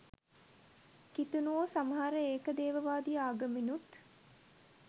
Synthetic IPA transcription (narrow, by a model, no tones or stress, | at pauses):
kit̪unuoːsamɐɦaɾəeːkəd̪eːʋəʋaːd̪iaːɡəminut̪